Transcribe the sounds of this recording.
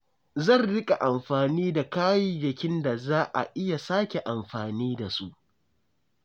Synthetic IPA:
zɐ˦˨nɽɪ˦kʲʼa˨ʔa˨mɸaː˨niː˦da˨kaː˦ji˨d͡ʒɪ˨kʲɪ˦nda˨zaː˦ʔa̰˨ʔɪ˦ja˨saː˦kʲe˨ʔa˨mɸaː˨niː˦da˨su˦ʔ

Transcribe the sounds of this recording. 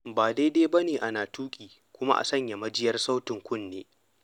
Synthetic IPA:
baː˨da˦jda˦jbɐ˦neː˨ʔa˦naː˨tuː˦kʲʼiː˨ | kʷʊ˦ma̰˦ʔa̰˨sɐ˦ɲja˨mɐ˦d͡ʒɪ˦jɐ˦rsa˦wtɪ˨ŋkʷʊ˦˨nːeː˦

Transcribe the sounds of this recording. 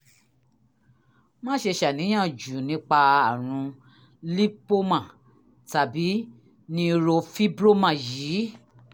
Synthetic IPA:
mã˦ʃe˧ʃa˨nĩ˨˦j̃ã˦˨d͡ʒu˨nĩ˨˦k͡pa˧a˨ɾ̃ũ˧ | li˦po˦mã˨ | ta˨bi˨˦ | nĩ˦˧ɾo˧fi˦bɾo˦mã˨jiː˨˦

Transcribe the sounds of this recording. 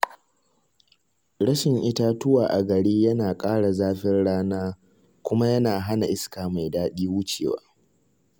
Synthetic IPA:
ɽɐ˦ʃɪ˨ŋʔɪ˦ta˦tʊ˦waː˨ʔa˨ɡɐ˨ɽiː˦jɐ˦naː˨kʼaː˦ɽa˨zaː˦ɸɪ˦rɽaː˦naː˦ | kʷʊ˦ma˦jɐ˦naː˨ɦa˦na˨ʔɪ˦skaː˨ma˨jdaː˦ɗiː˦wʊ˦t͡ʃḛː˨wa̰ː˦

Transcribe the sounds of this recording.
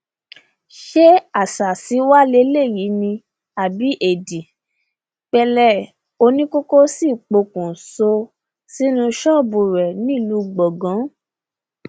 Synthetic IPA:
ʃe˦a˨sa˨si˨˦wa˦le˦le˦˨ji˨˦nĩ˧ | a˨bi˨˦ʔe˨di˨ | k͡pɛ˧lɛ˦˨ | o˧nĩ˦ko˦ko˦si˦˨k͡po˧˨kũ˨so˧ | si˦nũ˧ʃɔ̃˦˨bu˨ɾɛ˨nĩ˦˨lu˨˦ɡ͡bɔ˨ɡã˨˦

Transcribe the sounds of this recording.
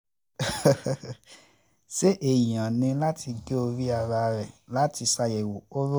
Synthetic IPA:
ʃe˦ʔe˨jã˨nĩ˧la˦tʰi˧ɡe˦o˧ɾi˦a˧ɾa˧ɾɛ˨la˦ti˧sa˧je˨wo˨o˦ɾo˦

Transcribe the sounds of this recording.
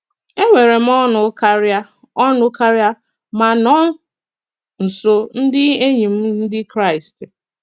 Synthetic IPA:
e˦ŋʷe˨ɾe˨m̩˦ɔ˦nʊ˨˦ka˦ɾa˦ | ɔ˦nʊ˦ka˦ɾja˦ | ma˨nɔ˦ | n̩˨so˦n̩˦dɪ˦e˦ɲi˨m̩˦n̩˦dɪ˦kɾa˦ɪ˨st

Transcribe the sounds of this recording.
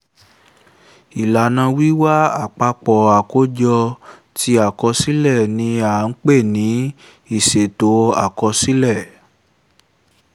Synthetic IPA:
i˨la˨nã˧wi˦wa˦a˦˨k͡pa˧k͡pɔ˨a˨ko˨˦d͡ʒɔ˧ | ti˧˦a˨kɔ˧si˦lɛ˦˨nĩ˧a˨˦n̩˦k͡pe˦˨nĩ˨˦ | i˦˨ʃe˨to˨˦a̰˨kɔ˧si˦lɛ˦˨

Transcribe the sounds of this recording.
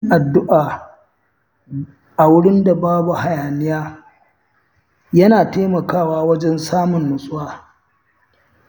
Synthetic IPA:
ʔa˨dːʊ˦ʔaː˨ | ʔa˨wʊ˦ɽɪ˦nda˨baː˦bu˨ha˨jaː˨nɪ˦jaː˦ | jɐ˦naː˨teː˦mɐ˨kaː˦˨waː˦wɐ˦d͡ʒɛ˦nsaː˦mʊ˨nːʊ˨sʼʊ˦waː˦

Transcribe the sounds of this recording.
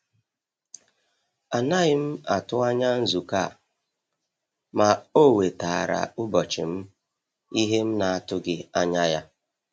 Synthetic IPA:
a˨na˦ɣɪ˦m̩˦a˨tʊ˦a˦ɲa˦n̩˦zu˨ka˦˨ | ma˨o˦˨we˨ta˨ɾa̰˨ʊ˦bɔ˨t͡ʃɪ˨m̩˦ | i˦ɦe˦m̩˦na˨a˦tʊ˦ɡɪ˦a˦ɲa˦ja˦

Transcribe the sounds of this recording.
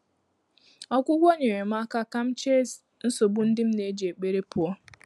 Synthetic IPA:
ɔ˦kʷʊ˦ɡʷo˦ɲe˨ɾe˨m̩a˦ka˦ka˦m̩˦t͡ʃe˦s | n̩˦so˨bʊ˦n̩˦dɪ˦m̩˦ne˦d͡ʒe˨k͡pe˦ɾe˦pʊ˨ɔ˦

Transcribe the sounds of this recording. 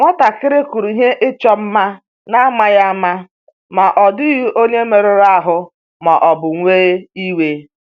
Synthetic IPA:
ŋʷa˦ta˨kɪ˦ɾɪ˦ku˨ɾu˨i˨ɦe˦ʔɪ˦t͡ʃɔ˦m̩˦ma˦ | na˦ma˦ja˦ma˦ | ma˨ʔɔ˨dɪ˦ɣi˦ʔo˦ɲe˦me˨ɾe˨ɾa˦˨ɦʊ˦ | ma˨ʔɔ˨bʊ˨ŋʷe˦i˦we˦

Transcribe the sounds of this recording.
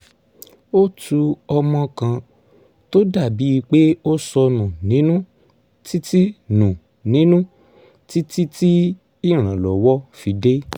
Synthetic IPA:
o˦tu˧ɔ˧mɔ̃˧kã˧ | to˦da˦˨bi˨˦i˧k͡pe˦o˦sɔ˧nũ˨nĩ˨˦nũ˦ | ti˦ti˦nũ˨ | nĩ˦nũ˦ | ti˦ti˦ti˦ | i˦˨ɾ̃ã˨lɔ˨wɔ˦fi˨˧de˦

